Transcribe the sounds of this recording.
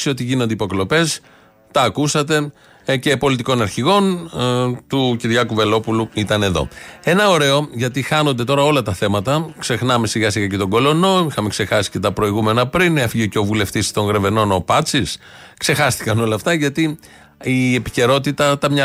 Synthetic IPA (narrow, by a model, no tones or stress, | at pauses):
siot̪iʝino̞nd̪eipo̞klo̞pe̞s | t̪ɐːkusɐt̪e̞ | ce̞po̞lit̪̬iko̞nɐɾçiɣo̞n | t̪uciɾʝɐkuve̞lo̞puluit̪ɐne̞ðo̞̰e̞nɐoɾe̞o̞ʝɐt̪ixɐno̞nd̪et̪o̞ɾɐo̞lɐt̪ɐθe̞mɐt̪ɐkse̞xnɐme̞siɣɐsiɣɐce̞t̪o̞ɡo̞lo̞no̞ixɐme̞kse̞xɐsi̥ce̞t̪ɐpɾo̞iɣume̞nɐpɾinefiʝeceo̞vule̞ft̪ist̪o̞ŋɣɾe̞ve̞no̞no̞pɐt͡sis | kse̞xɐst̪i̥kɐno̞lɐːft̪ɐʝɐt̪i | ie̞pi̥ce̞ɾo̞t̪it̪ɐt̪ɐmɲɐ